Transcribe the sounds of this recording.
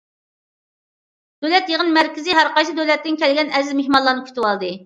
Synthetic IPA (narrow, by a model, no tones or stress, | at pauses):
d̪̥ølɛt̪jeʁənmæɾkʲɪzɪɦæɾqɑjt͡ʃʰid̪ølɛt̪ːɪnkʲʰɛlɡʲɛnɛzzmehmɑnlˠɑnɨkʲʰy̥t̪ʰywɑlˠd̪ɨ